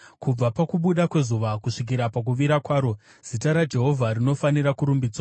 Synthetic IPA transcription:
kub͡vapakuɓuɗakwe̞zuʋakuʂik̬iɾapak̬uʋiɾakwaːɾo̞ | z̥itaɾad͡ʒe̞ɦo̞vʱarino̞faniɾakuɾumbid͡zwa

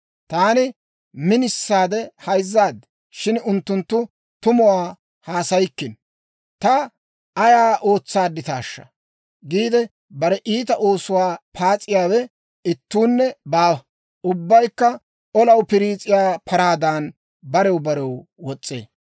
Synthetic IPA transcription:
t̪aːnɪ | mɪnɪsːaːd̪ɛhɐjzːaːd̪ | ʃɪnʊnt̪ːʊnt̪ːʊ | t̪ʊmʊwaː | haːsɐjɪkːɪn | t̪ɐ | ʔɐjaːʔo̞ːt͡sːaːd̪ːɪt̪a̰ːʃːɐ̰ | ɡiːd̪ɛ | bɐɾɛʔiːt̪ɐʔo̞ːsʊwaːpʰaːt͡sʼːɪjaːwɛ | ɪt̪ːuːnːɛbaː | ʔʊbːɐjkːɐ | ʔɔlɐwpɪɾiːt͡sʼɪjaːpʰɐɾaːd̪aːn | bɐɾɛwbɐɾɛwwɔt͡sʼːḛː

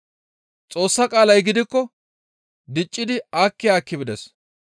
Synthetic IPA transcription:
t͡sʼo̞ːsːɐkʼaːlɐjɡɪd̪ɪkːɔ | d̪ɪt͡ʃʼːɪd̪ɪaːkːɪjaːkːɪbɪd̪ɛs

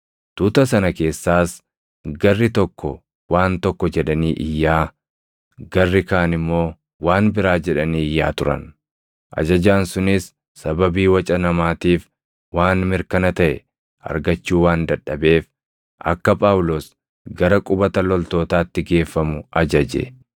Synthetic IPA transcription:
t̪ʊt̪ɐsɐnɐke̞ːsːaːs | ɡɐrːɪt̪ɔkːɔ | waːnt̪ɔkːɔd͡ʒɛᶑɐniːʔɪjːaː | ɡ̥ɐrːɪkaːnɪmːo̞ː | waːnbɪɾaːd͡ʒɛᶑɐniːɪjːa̰ːt̪ʊɾɐ̰n | ʔɐ̰d͡ʒɐd͡ʒaːnsʊnɪsː | ɐbɐbiːwɐt͡ʃʼɐnɐmaːt̪iːf | waːnmɪɾkɐnɐt̪ɐʔɛ̰ | ɐ̰ɾɡɐt͡ʃːuːwaːnd̪ɐᶑːɐbe̞ːf | ʔɐ̰kːɐpʼaːwʊloːs | ɡɐɾɐkʼʊbɐt̪ɐlɔlt̪o̞ːt̪aːt̪ːɪɡe̞ːfːɐmʊʔɐd͡ʒɐd͡ʒḛ

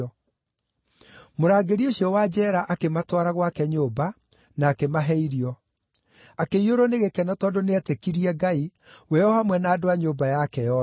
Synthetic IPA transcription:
moɾaːɡeɾioɕjɔwad͡ʑɛːɾaʔakematwaɾaɣwakɛɲoːba | naːkemaɦɛiɾiɔ | akeioɾɔneɣekɛnɔtɔːndoneɛtekiɾiɛɡai | wɛɔhamwɛnaːdoaɲoːbajakɛjɔ

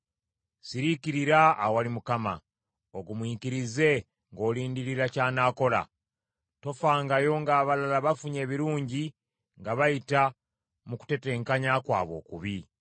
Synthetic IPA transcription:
siɾikiɾiɾaːwalimukama | oɡumwiːkiɾize̞ | ŋɡo̞ːliːndiɾiɾacaːnaːko̞la̰ | to̞faːŋɡajo̞ŋɡaːβalalaβafuɲe̞ːβiɾuːɲɟi | ŋɡaβajita | muku̥te̞te̞ːŋkaɲakwa̰ːβo̞̰ːkuβi

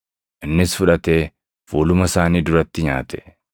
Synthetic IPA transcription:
ʔɪnːɪsfʊᶑɐt̪e̞ː | fuːlʊmɐsaːniːd̪ʊɾɐt̪ːɪɲa̰ːt̪ʰɛ̥

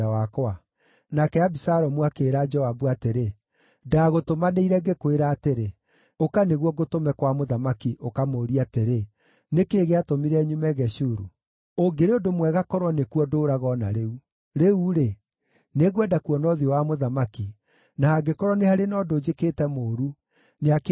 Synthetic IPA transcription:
awakɔa | nakɛabisaɾɔmuakeːɾad͡ʒɔabuateɾe | daɣotomaneiɾɛɡekweɾaːteɾe | okaneɣwɔɡotomɛkwamoðamakiʔokamoːɾiateɾe | nekeːɣeatomiɾɛɲumɛɣɛɕuɾṵ | oɡeɾeodomwɛɣakɔɾwɔnekwɔdoɾaɣɔna̰ɾeu | ɾeuɾe | neɣwɛdakwɔnɔðiɔwamoðamaki | nahaɡekɔɾwɔnehaɾenɔdoːd͡ʒekeːtɛmoːɾu | neak

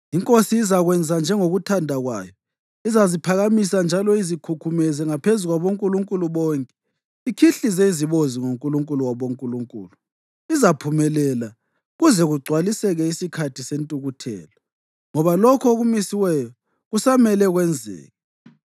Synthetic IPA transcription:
iŋkʼosiːzaɣwɛnd͡zʱand͡ʒʱɛŋoɣutʰandʱaɣwa̰ːjɔ | izazipʰaɣamisand͡ʒʱalɔizikʰukʰumɛzɛŋapʰezuɣwaβoŋkʼuluŋkʼuluβɔːŋkʼɛ | ikʰiɬizeiziβoziŋoŋkʼuluŋkʼuluwaβoŋkʼuluŋkʼṵːlu | izapʰumɛlɛla | ɣuzɛɣuɡ͡ǀʱwalisɛɣɛisikʰatʰisentʼuɣutʰɛ̰ːlɔ | ŋɔβalɔkʰɔoɣumisiwɛjɔ | ɣusamɛlɛɣwɛnd͡zʱɛ̰ːɣɛ

